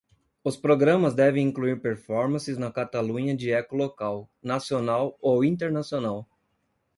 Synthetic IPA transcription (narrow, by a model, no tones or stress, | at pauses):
ʊspɾoɡɾɐ̃mɐzd̪ɛvẽj̃ĩŋkluiɾpeɾfɔɾmɐ̃sɪznɐkat̪alũɲɐd͡ʒɪɛkʊlokawnasionawowĩnt̪eɾnasionaw